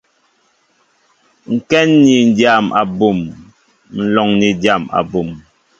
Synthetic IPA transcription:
ŋ̩˨kɛ˦nːi˨n̩˨dja˨ma̰˨bu˨m | n̩˨lɔ˨ŋni˨dja˦˨ma̰˨bu˨m

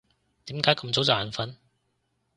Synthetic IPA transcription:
t̪iː˨˥mkaː˨˥jkɐ˧mt͡so˨˥wt͡saː˨nfɐ˨˥n

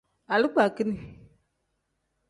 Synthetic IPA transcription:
a˨li˦k͡pa˨ki˦ni˨

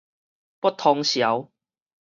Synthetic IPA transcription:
pɔ˥t̪ʰːɔ˧ŋɕja˨˦w

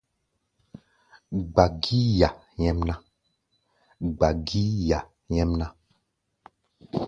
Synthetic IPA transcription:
ɡ͡ba˨ɡi˦ja˨ | ɲɛ̃˦mnã˦ | ɡ͡ba˨ɡi˦ja˨ | ɲɛ̃˦mnã˦

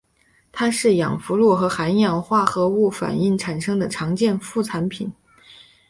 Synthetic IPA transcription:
t̪ʰa˥ʂɻ̩˥˩jɑ̰˨˩ŋfu˧˥lu˥˩xɤ˧˥xa˧˥njɑ˨˩ŋxwa˥˩xɤ˧˥u˥˩fa̰˨˩ni˥˩ŋʈ͡ʂʰa˨˩nʂɤ˥ŋd̪ə˨ʈ͡ʂʰɑ˧˥ŋt͡ɕjɛ˥˧nfu˥˩t͡sʰa˧˥npʰi˨˩˦n

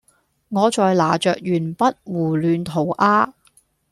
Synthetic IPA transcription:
ŋɔː˨˧t͡ʃɔː˨˧jlaː˨˩t͡ʃœː˨k̚jyː˨˩npɐ˥t̚wuː˨˩lyː˨˧nt̪ʰo˨˩wʔaː˥

